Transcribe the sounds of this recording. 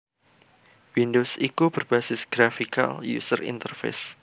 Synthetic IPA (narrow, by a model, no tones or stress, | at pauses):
windosikubərbasɪsɡ̥ɾafika̰ljṵsərḭnt̪ərfḛs